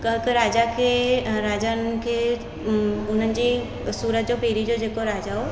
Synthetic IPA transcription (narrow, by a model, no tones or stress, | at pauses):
kɐɦkɾaːd͡ʑakʰeːɾaːd͡ʑankʰeː | ʊn̤ənɪ̆d͡ʑiː | suːɾət̪̚d͡ʑopeːɾid͡ʑod͡ʑeːkoɾaːd͡ʑaɦo